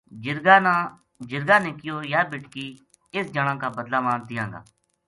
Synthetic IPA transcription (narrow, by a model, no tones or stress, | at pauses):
d͡ʒɪɾɡaːnaː | d͡ʒɪɾɡãːnẽːkɪjoːjaːbɪʈkiː | ɪsd͡ʒəɽ̃ãːkaːbəd̪laːmãːnt̪ɪjãːŋɡa̰ː